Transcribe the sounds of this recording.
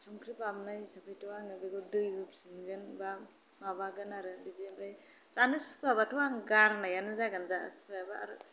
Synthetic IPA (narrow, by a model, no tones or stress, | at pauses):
sɔŋkʰɾipamnajsapʰɯjtɔwaŋɯbeɡɔdɯjɡɯp̚siŋɡɯnba | mabaɡɯnaɾɯizibɾaj | t͡ʃanɯsupabatɔwaŋɡaɾnajanɯzaɡanza̰spʰajabaa̰ɾɯ